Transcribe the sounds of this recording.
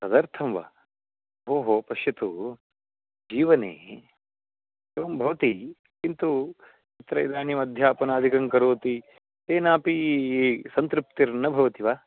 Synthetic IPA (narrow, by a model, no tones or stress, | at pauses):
sɐd̪ɐɾt̪ʰɐmʋa̰ː | ɦoːɦoːpɐʃjɐt̪u | d͡ʒiːʋɐnḛː | eʋɐmbʱɐʋɐt̪i | kint̪u | it̪ɾɐjd̪aːnjimɐd̪ʱjaːpɐnaːd̪ʱikɐŋkɐɾoːt̪i | t̪eːnaːpi | sɐnt̪ɾup̚t̪iɾnːɐbʱɐʋɐt̪iʋaː